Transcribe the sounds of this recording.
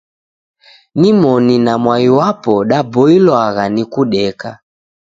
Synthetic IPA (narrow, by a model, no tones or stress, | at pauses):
nimɔninamwaiwapɔɗabɔilwaɣanikuɗɛka